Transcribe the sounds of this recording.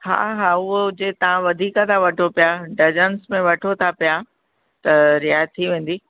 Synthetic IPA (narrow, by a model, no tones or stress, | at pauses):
ha̰ːɦaːʊɦod͡ʑeːt̪ɐʋ̤ãʋɐd̪ʱiːkə̃t̪ʰaʋɐʈʰopijaɖɐd͡ʑənsmẽʋɐʈʰot̪ʰapija | t̪ɐɾɪjaːjt̪t̪ʰːiʋẽːn̆d̪iː